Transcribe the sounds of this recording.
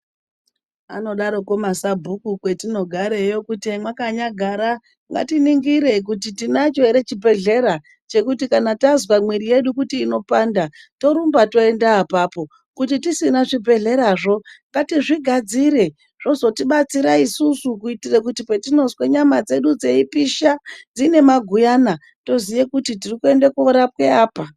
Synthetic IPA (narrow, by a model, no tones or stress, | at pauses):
ano̞ɗaɾo̞ko̞masabʱukukwe̞tino̞ɡʱaɾejo̞kutiemwakaɲaɡʱaɾa | ŋɡa̰tiniŋɡiɾe̞k̬utitinat͡ʃo̞iɾe̞t͡ʃibʱe̞ɮe̞ɾa | t͡ʃe̞kutikanatazwamwirije̞ɗukutiːno̞pandato̞ɾumbato̞e̞ndaːpaːpo̞ | kutitisinaʐibʱe̞ɮe̞ɾaːʐo̞ŋɡatiʐiɡʱad͡ziɾe̞ | ʐ̥o̞zo̞tiɓat͡siɾaisusukuitirekutipe̞tino̞zweɲamad͡ze̞ɗud͡ze̞ipiʃad͡zine̞maɡʱujana | to̞zijekutit̬irikue̞ndekuoɾap̚we̞aːpa